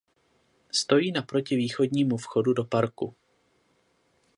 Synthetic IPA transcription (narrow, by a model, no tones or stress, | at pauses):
st̪o̞jiːnapɾo̞cɪviːxo̞dɲiːmufxo̞dudo̞paɾkṵ